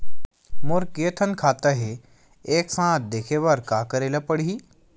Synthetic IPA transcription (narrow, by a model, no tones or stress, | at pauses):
moɾkejət̪ʰənkʰat̪əɦe | eksãt̪̚d̪ekʰeʋəɾkakəɾeləpəɽiː